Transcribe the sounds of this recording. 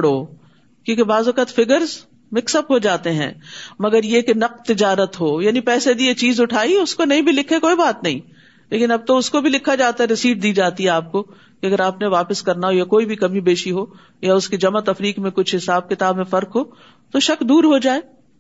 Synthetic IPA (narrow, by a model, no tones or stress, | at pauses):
ɽoː | kjõːkebaːzʋɐkət̪fɪɡəɾz | mɪksəpɦod͡ʒaːt̪eɦɛ̰̃ːmɐɡəɾjekenɐqt̪ɪd͡ʒaːɾət̪ɦoːjaːnipɛːsed̪iet͡ʃiːzʊʈʰaːiʊskonɐɦĩbʱilɪkʰːekoːibaːt̪nɐɦḭ̃ː | leːkɪnɐb̚t̪oʊskobʱilɪkʰːad͡ʒaːt̪aɦɛɾɪsiːʈ̚d̪iːd͡ʒaːt̪iɦɛaːp̚ko | keɐɡəɾaːpneʋaːpəskɐɾnaɦojakoːibʱikɐmibeːʃiɦoː | jaʊskid͡ʒɐmat̪ɐfɾiːkmẽkʊt͡ʃʰɦɪsaːb̚kɪt̪aːbmẽfɐɾkɦoː | t̪oʃɐkd̪uːɾɦod͡ʒaːeː